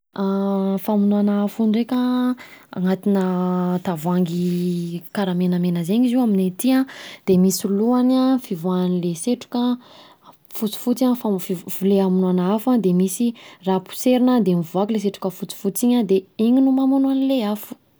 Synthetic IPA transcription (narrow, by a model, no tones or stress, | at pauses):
afamunuanaafunrekʲa | a̰ŋat̪inət̪avuaŋɡikaɾamenəmenəzeɲiziwaminet̪iãd̪̥emisiluanãfivuanileseʈ͡ʂu̥ka | fut͡si̥fut͡sãfafivuleamunuanaafad̪emisirapu̥seɾinəd̪emivuakiles̬eʈ͡ʂu̥kəfut͡si̥fut͡siɲəd̪eiɲinumamunuanileafu̥